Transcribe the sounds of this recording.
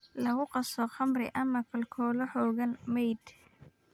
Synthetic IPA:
lɐɣʊqɑsɔχɐmrɪ̰ʔɐmɐkʰɐlkʰɔːlɐħɔːɣɐnmɛjd̪

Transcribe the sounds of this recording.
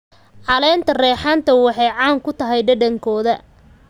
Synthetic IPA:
ʕɑlɛːnt̪ʰɐrɛːħaːnt̪ʰɐwɑħɑjʕɑːŋkʰʊt̪ʰɐɦɛjɖɐɖɐŋkʰɔːðɐ

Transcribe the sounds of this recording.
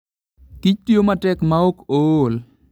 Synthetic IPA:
kit͡ʃtijomatɛkmaokol

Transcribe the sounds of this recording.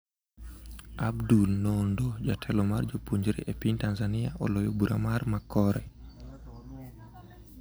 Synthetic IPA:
abdulnɔndɔd͡ʒatʰɛlɔmard͡ʒopoɲd͡ʒɾḭʔepintanzaniaʔɔ̰lɔjobuɾa̰marmakːɔɾɛ

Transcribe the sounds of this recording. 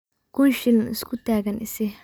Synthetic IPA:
kʊnʃɪnɪ̰skʰʊt̪aːɣɐnʔɪsɪ

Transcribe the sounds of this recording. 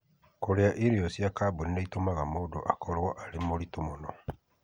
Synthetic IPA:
koɾeaʔiɾiɔsjakabonineitomaɣamodoʔakʰɔɾwɔʔaɾemoɾitumonɔ

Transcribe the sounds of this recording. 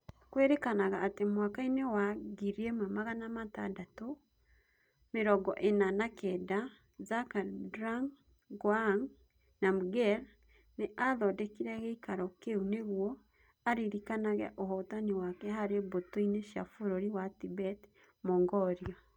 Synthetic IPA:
kweɾekanaɣaːtemwakainewaɡiɾiemwamaɣanamata̰dato | meɾɔɡɔʔenanakɛda | zakaɾdɾaŋ | ɡwaŋ | namuɡɛɾ | neʔaðɔdɛkiɾɛɣɛikaɾɔkeuneɣwɔ | aɾiɾikanaɣɛ̰ʔoɦɔtaniwakɛɦaɾebotoineʃa̰foɾoɾiwatibɛt | moːŋɡɔɾiɔ

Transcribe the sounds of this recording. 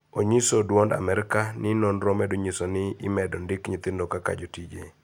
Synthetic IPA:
oɲisodwonda̰mɛɾɪkanɪnɔnɾomɛdoɲisonɪɪmɛdondɪkɲɪt̪ɪndokaka̰d͡ʒotid͡ʒḛ

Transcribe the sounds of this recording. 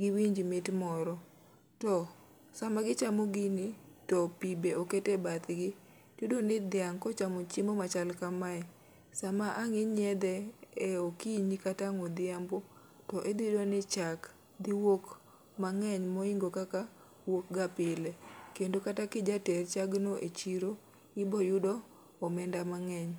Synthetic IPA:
ɡɪwiɲd͡ʒimɪtmɔɾɔ | tɔ | samaɡɪt͡ʃamoɡɪnɪtɔpibeoketebat̪ɡɪ | d̥udonɪd̪ɪaŋkɔt͡ʃamot͡ʃɪmomat͡ʃalkamaɛ | samaʔaŋɪɲɛd̪ɛeokiɲikataŋɔd̪ɪambo | tɔʔed̪idonɪt͡ʃak | d̪iwok | maŋɛɲmɔiŋɡokaka | wok̚ɡapɪlɛkendokatakɪd͡ʒatɛrt͡ʃaɡnoʔet͡ʃiɾo | ɪbɔjʊdɔː | mɛndamaŋɛɲ

